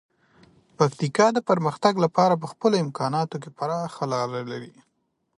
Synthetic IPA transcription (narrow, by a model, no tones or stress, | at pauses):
pakt̪ikɑd̪əpəɾməxt̪aɡlapɑɾap̬əxpəloɪmkʰɑnɑt̪ok̬epaɾɑxalɑɾalaɾi